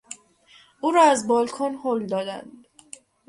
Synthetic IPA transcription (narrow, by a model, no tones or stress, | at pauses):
ʔuːɾɒːæzbɒːlkʰɔnhold̪ɒːd̪æ̰nd̪